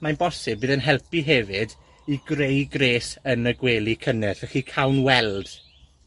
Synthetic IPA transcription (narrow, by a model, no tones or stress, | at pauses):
manbɔsɨb̚bɨːðənɦɛlˠpiɦɛvɨd | iɡrejɡreːsənəɡweːlˠikʰənɛθɛχiːkʰawnwɛlˠd̥